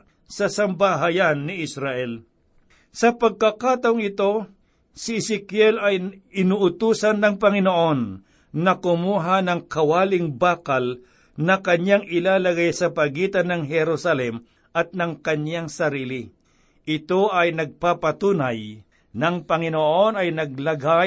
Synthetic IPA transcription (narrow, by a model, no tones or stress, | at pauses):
sɐsɐmbaɦajanːɪʔɪsɾaʔɛl | sɐpɐɡ̚kɐkaːt̪ɐʊŋɪt̪o̞ | sɪɪsɪkjɛlɐjɪnuʔʊt̪uːsɐnːɐŋpɐŋɪnoʔo̞nː | ɐkʊmuːɦanɐŋkɐwaːlɪŋbaːkɐl | nɐkɐɲaŋʔɪlaːlɐɡajsɐpɐɡiːt̪ɐnɐŋɦɛɾusɐlɛm | ʔɐt̪̚nɐŋkɐɲaŋsɐɾiːlɪ | ʔɪt̪o̞ʔɐjnɐɡ̚papɐt̪uːnaj | nɐŋpɐŋɪnoʔo̞nɐjnɐɡ̚lɐɡa